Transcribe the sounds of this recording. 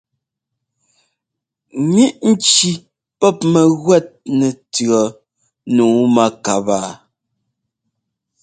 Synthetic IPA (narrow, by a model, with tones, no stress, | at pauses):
ŋi˦ʔn̩˦t͡ʃi˨ | pɔ˦˨p̚mɛ˨ɣwɛ˦˨t̚nɛ˨tɰɔ˨ | nuː˨˦ma˦ka˨ba˨